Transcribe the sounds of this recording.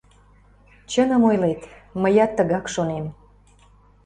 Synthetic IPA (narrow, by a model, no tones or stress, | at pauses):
t͡ɕənəmojlet̪məjɑt̪ːəɣɑkʃonem